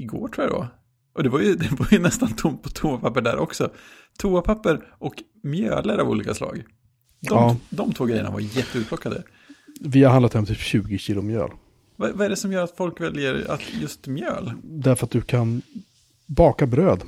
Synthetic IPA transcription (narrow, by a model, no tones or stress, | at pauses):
ɪɡo̰ːʈʰuːjad̪ɔ̰ | ʔɔd̪ɛvaɾjɵd̪ɛvaɾjɵnɛst̪ant̪ʰʊmt̪̚pʰɔt̪ʰuːapʰapːəɖæ̰ɾʔɔksɔ | t̪ʰuːapʰapːəɾʔɔk | mjø̰ːləɾavṵːliːkaslɑ̰ːɡ | d̪ɔd̪ɔmt̪ʰvoːɡɾɛjːə̰ɳa̰vaɾjɛt̪ːəʉːt̪pʰlɔkːad̪ə̰ | vɪhaɾɦanat̪hɛɔmt̪ʰiɕʉ̟ːɡɪɕiːlʊmjø̰ːl | vavaɛɖɛsɔmjœːɾat̪fɔlkvɛljəɾa̰t̪jɵst̪mjø̰ːld̪æɾfœɾat̪̚d̪ɵkʰan | bɑːkabɾøːd̪